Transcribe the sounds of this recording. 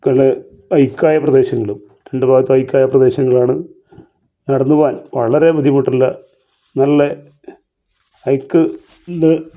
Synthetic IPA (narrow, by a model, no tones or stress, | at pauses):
kɐɭe | ɐjkːaːjɐprɐd̪e̞ːɕɐŋːɐɭum | ɾe̞ɳɖɨbʱaːɡɐt̪ːɨɐjkːaːjɐprɐd̪e̞ːɕɐŋːɐɭaːɳɨ | nɐɽɐnːuʋaːnʋɐɭɐɾe̞bud̪ʱjɐmuʈːilːɐ̰ | nɐlːe | ɐjkːɨ | nd̪ɨ